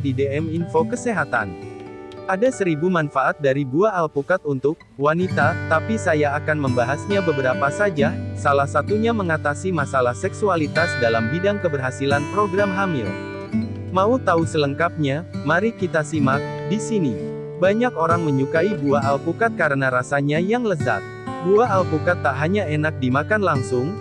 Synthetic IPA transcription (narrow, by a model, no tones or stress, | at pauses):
dideɛminfokəseɦat̪a̰n | ʔadasəɾibumanfaʔat̪̚daɾibuaːlpukat̪unt̪ʊk̚ | wanit̪at̪apisajaːkanməmbaɦasɲabəbəɾapasad͡ʒasalahsat̪uɲaməŋat̪asimasalahsɛksualit̪asdalambidaŋkəbərɦasilanpɾoɡɾamɦamɪl | maut̪ausələŋkap̚ɲamaɾikit̪asimak̚disini | baɲakoɾaŋməɲukaibuaːlpukat̪̚kaɾənaɾasaɲajaŋləza̰t̪̚buaːlpukat̪ːaʔɦaɲaenak̚dimakanlaŋsʊŋ